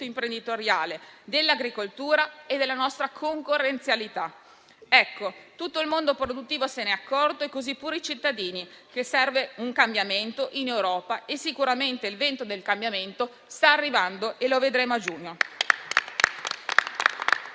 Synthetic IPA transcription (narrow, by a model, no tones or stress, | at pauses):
t̪oimpɾend̪it̪oɾjaːled̪elːaɡɾikolt̪uːɾaed̪elːanɔst̪ɾakʰoŋkorːent̪sjalit̪a | ɛkːot̪ut̪ːoilmond̪opɾod̪ut̪ːiːvoseneakːɔrd̪oekːozipːuːɾit͡ʃit̪ːad̪iːnik̟esɛrveuŋkambjament̪oʔinewɾɔːpaesːikuɾament̪eilvent̪od̪elkambjament̪o | st̪aːrːivand̪oʔeloved̪ɾeːmoad͡ʒuːɲo